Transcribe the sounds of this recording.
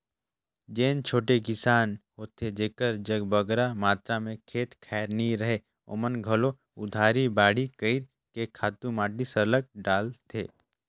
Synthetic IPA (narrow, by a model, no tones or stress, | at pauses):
d͡ʒeːnt͡ʃʰoːʈekɪsaːnhoːt̪ʰed͡ʒeːkəɾd͡ʒəɡbəɡɾamaːt̪ɾamẽkʰeːt̪kʰɛːɾniɾɐɦe | o̰ːmənɡʱəlo | ʊd̪ʱaːɾibaːɽ̤ikəɪɾ | kekʰaːt̪ũmaːʈisəɾlək̚ɖaːlt̪ʰeː